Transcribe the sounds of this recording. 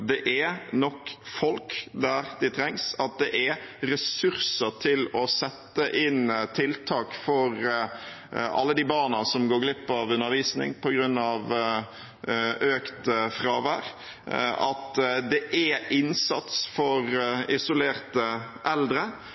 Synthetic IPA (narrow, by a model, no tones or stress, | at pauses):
d̪ɛʔænɔkfɔlkd̪æʁd̪ɪt̪ʰɾɛŋsɑt̪̚d̪ɛʔæɾɛsʉʁsət̪ʰɪlɔsɛt̪ːəʔɪnt̪ʰɪlt̪ʰɑːkfɔɾ | ʔɑ̰lːəd̪ibɑːnɑsɔmɡoːɡlɪpːɑʋʉnːəɾʋiːsnɪ̰ŋpʰɔɡɾʉnːɑʋ | øːkt̪fɾɑːʋæɾ | ɑ̰t̪d̪ɛʔæɪnsɑt̪sfɔɾɪsʊleːɾt̪ə | ʔɛld̪ɾə